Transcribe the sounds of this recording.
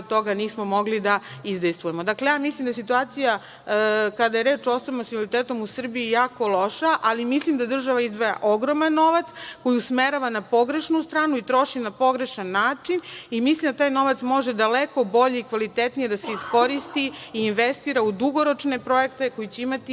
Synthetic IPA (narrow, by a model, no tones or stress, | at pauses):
t̪o̞ɡaniːsmo̞mo̞ɡlid̪aizd̪ejst̪ʋuje̞mo̞d̪aklejaːmislimd̪as̬it̪uaːt̪sija | kad̪ajeɾe̞ːt͡ʃosonomsiolit̪eːt̪o̞musr̩biijaːko̞lˠo̞ʃaʔalimislimd̪ad̪r̩ʒaʋaizd̪ʋaja̰ʔoɡɾo̞manːo̞ʋat̪sko̞jiusmeɾaʋanapo̞ɡɾe̞ʃnust̪ɾaːnuit̪ɾo̞ʃinapo̞ɡɾe̞ʃanːaːt͡ʃinimislimd̪at̪aːjno̞ʋat̪smo̞ʒed̪aleko̞bo̞ʎeikʋalit̪et̪nije̞d̪aseisko̞ɾist̪iːnʋest̪iːɾaud̪uɡo̞ɾot͡ʃne̞pɾo̞jekt̪eko̞jit͡ɕeimat̪i